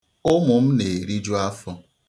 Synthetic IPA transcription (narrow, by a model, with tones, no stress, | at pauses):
ʊ˦mʊ˨m̩˦ne˨ɾi˦d͡ʒu˦a˦fɔ˦